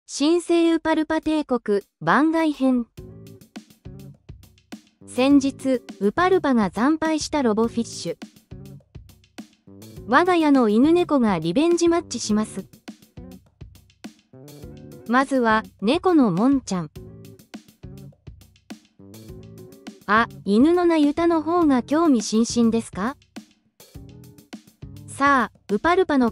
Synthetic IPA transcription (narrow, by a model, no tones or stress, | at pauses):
ɕĩɰ̃se̞ːɯ̟paɾɯ̟pat̪e̞ːko̞kɯ̟bãŋɡaihẽ̞ɴ | sẽ̞ɲ̟d͡ʑit͡sɨɯ̟paɾɯ̟paɡazãmpaiɕi̥t̪aɾo̞bo̞ɸʲiɕːɨ | βaɡajano̞inɯ̟ne̞ko̞ɡaɾʲibẽ̞ɲ̟d͡ʑimat͡ɕɕiɕimasɨ | mazɨβane̞ko̞no̞mõ̞ɲ̟t͡ɕãŋ | ainɯ̟no̞najɯ̟t̪ano̞ɦo̞ːŋakʲo̞ːmʲiɕĩɰ̃ɕĩnd̪e̞sɨ̥ka | saː | ɯ̟paɾɯ̟pano̞